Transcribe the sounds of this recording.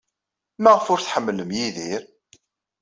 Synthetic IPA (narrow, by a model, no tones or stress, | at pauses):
mæʁfʊɾθħəmːləmjiðiɾ